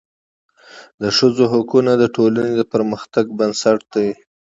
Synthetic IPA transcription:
d̪əʂəzoɦakunad̪əʈolaned̪əpəɾməxt̪aɡbənsaʈ̚d̪a

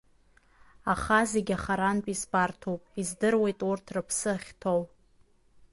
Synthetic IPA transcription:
aχaze̞ɡʲaχaɾanpʼisbartʰowpʼizdɨrwe̞jtʼurtʰrɨpʰsɨχʲtʰow

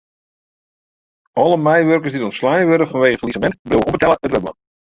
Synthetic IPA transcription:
ʔɔlˠəmɛjʋørkərsditɔnslajʋødəfɔnʋeːɣəfəlisəmɛntbləwəobətɛləətʋəbə̰

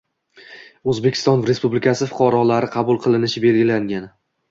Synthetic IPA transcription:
ɵzbekʲʰɪ̥t̪ɒnɾe̞spublɪkʰʲasɪfʊ̥qʰɒɾɒlaɾɪqʰɑbʊlˠqʰɨlˠɪnɪʃɪbe̞lɡʲɪlaŋɡʲan

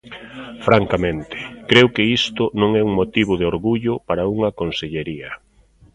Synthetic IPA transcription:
fɾaŋkamẽnt̪ɪ̥kɾewkɪist̪ʊnõŋɛuŋmot̪iβ̞ʊðɪoɾɣuʎʊpaɾɐuŋɐkonseʎeɾiɐ

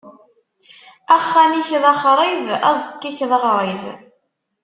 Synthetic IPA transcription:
æχːæmiçðɑχɾˤiðæ̰zˤəkːiçðəʁɾˤəð

